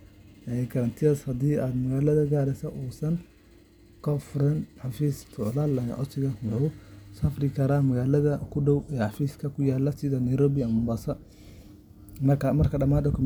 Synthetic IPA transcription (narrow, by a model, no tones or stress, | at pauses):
ɛkʰɐɾɐnt̪ʰɪɐshɐd̪iːaːd̪mɐɣaːlɐðɐɡaːɾɛsɐʔuːsɐn | kʰɔfɾɐnħɑfiːst̪ʰʊʕlaːlːɐ̰ʔɔ̰sɪɣɐɔwsɐfrɪkʰɐɾaːmɐɣaːlɐðɐkʰʊɖɔwɛːħɑfiːskʰɐkʰʊjaːlːɐsɪðɐnɐjɾɔːβɪɐmɐmbasɐ | mɐɐmɐrkʰɐɖɐmaːd̪ɐkʰʊm